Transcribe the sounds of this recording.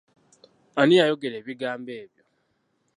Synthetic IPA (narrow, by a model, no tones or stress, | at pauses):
anijajoɡeɾeːβiɡaːmbeːβjo